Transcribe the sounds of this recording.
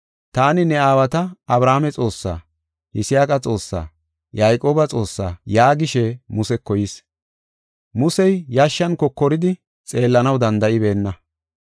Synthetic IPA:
t̪aːnɪnɛaːwɐt̪ɐɐbɾaːmɛt͡sʼo̞ːsːa̰ː | hɪsɪjaːkʼɐt͡sʼo̞ːsːa̰ː | jajkʼoːbɐt͡sʼo̞ːsːa̰ːjaːɡɪʃɛmʊsɛkːɔjɪs | mʊsɛjːaʃːɐnkɔkːɔɾɪd̪ɪ | t͡sʼe̞ːlːɐnɐwd̪ɐnd̪ɐʔɪbe̞ːnːɐ

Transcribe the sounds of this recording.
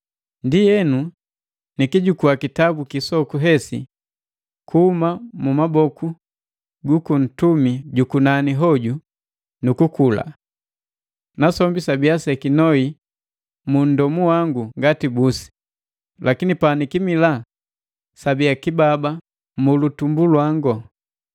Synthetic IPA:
ndijɛnu | nikiɟukuakitabukisɔkuɦɛsḭ | kuhumamumabɔkʰu | ɡukun̩tumiɟukunaniɦɔɟu | nukukula̰ | nasɔmbisabiasɛkinɔi | mun̩dɔmuwaŋɡuŋɡatibusi̥ | lʔakinipanikimila | sabijakibaba | mulutumbulwaŋɡɔ

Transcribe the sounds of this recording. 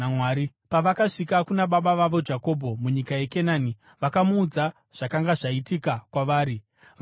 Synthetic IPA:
mwaːɾi | paʋakaʂikakunaɓaɓaʋaʋo̞d͡ʒako̞bʱo̞muɲikaje̞ke̞naːni | ʋakamuːd͡za | ʐ̥akaŋɡaʐaitikakwaʋaːɾi | ʋ

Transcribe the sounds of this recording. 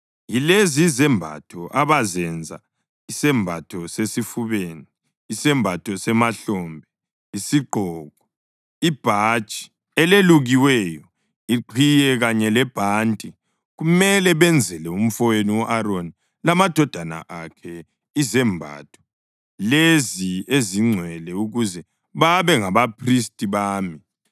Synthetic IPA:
jilezizɛmbʱa̰tʰɔʔaβazɛnd͡zʱa̰ | isɛmbʱatʰɔsesifuβeːniː | sɛmbʱatʰɔsɛmaɬɔmbʱɛ | isiɡ͡ǃʱɔːɣɔ | ib̥ʱat͡ʃʼi̥ | ɛleluɣiwɛjɔ | iǃʰijɛɣaɲɛlɛb̥ʱantʼi | ɣumɛlɛβɛnd͡zʱɛlɛum̩fɔweniwɔʔaɾoni | lamad̥ʱɔd̥ʱana̰ʔakʰɛ | izɛmbʱa̰tʰɔ̥ | lezieziŋ͡ǀʱwɛlɛuɣuzɛ | βaβɛŋaβapʰristʼiβaːmi

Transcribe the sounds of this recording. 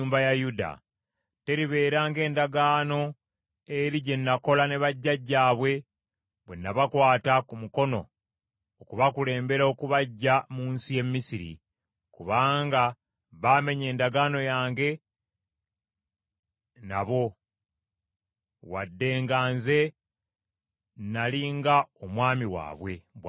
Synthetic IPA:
uːmbajajuda̰ | te̞ɾiβe̞ːɾaːŋɡe̞ːndaɡaːno̞ | eɾiɟe̞nːako̞lane̞βaɟːaɟːaːβwe̞ | βwenːaβakwaːtakumuko̞no̞̰ | okuβakule̞ːmbe̞ɾaokuβaɟːamuːnsije̞mmːisiɾḭ | kuβaːŋɡa | βaːme̞ɲe̞ːndaɡaːno̞jaːŋɡe̞ | naβo̞ | wadːe̞ːŋɡaːnze̞ | nːaliːŋɡaomwaːmiwa̰ːβwe̞β

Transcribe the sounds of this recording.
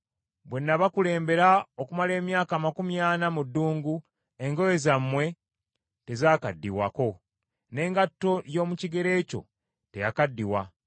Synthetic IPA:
bwe̞nːaβakule̞ːmbe̞ɾaokumale̞ːmjaːkaːmakumjaːnamudːuːŋɡu | e̞ŋɡo̞jezamːwe̞ | te̞zaːkadːiwako̞ | ne̞ːŋɡatːo̞jo̞ːmuciɡe̞ɾe̞ːco̞̰ | te̞jakadːiwa

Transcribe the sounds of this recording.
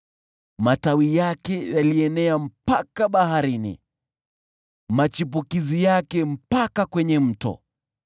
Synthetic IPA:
matawijakɛjaliɛnɛam̩pakaɓaɦaɾinḭ | mat͡ʃip̬ukizijakɛm̩pakakwɛɲɛm̩tɔ̰

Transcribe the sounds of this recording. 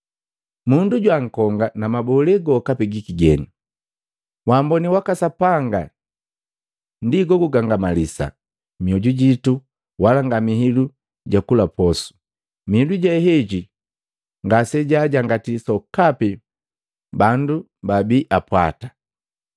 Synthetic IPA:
munduɟwaŋ̩kɔŋɡanamabɔlɛɡɔkapɛɡikiɡɛni | wambɔniwakasapaŋɡa | ndiɡɔɡuɡaŋɡamalisa̰ | miɔɟuɟitu | walaŋɡamihilu | ɟakulapɔsu̥ | mihiluɟaɦɛɟi | ŋɡasɛɟaɟaŋɡatisɔkapi | bandu | babiʔapwa̰tḁ

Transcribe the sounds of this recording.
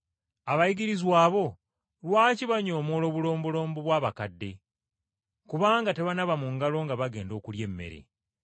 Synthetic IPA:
aβajiɡiɾizwaːβo̞ | lwaːciβaɲo̞ːmo̞ːlo̞ːβulo̞ːmbulo̞ːmbuβwaːβakadːe̞ | kuβaːŋɡate̞βanaβamuŋɡalo̞ŋɡaβaɡe̞ːndo̞ːkulje̞mːe̞̰ɾḛ

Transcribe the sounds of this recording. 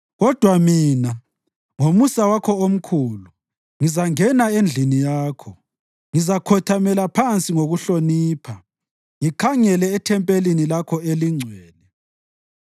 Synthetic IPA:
ɣɔd̥ʱwamiːna | ŋomusawakʰɔom̩kʰulu | ŋizaŋɛnaend͡ɮʱinijaːkʰɔ | ŋizakʰɔtʰamɛlapʰant͡sʼiŋoɣuɬoniːpʰa | ŋikʰaŋɛlɛːtʰɛmpʼelinilakʰɔeliŋ͡ǀʱwɛːnɛ

